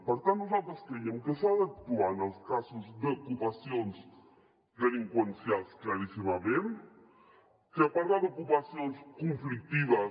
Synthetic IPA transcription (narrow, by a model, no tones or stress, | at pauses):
paɾt̪and̪osap̪ask̪ejempesaðak̚t̪uanalskasozd̪eokupasjons | ðeliŋkwensjalsklaɾisimaβen | keapaɾɣaðeokupasjonskoɱflik̚t̪iβa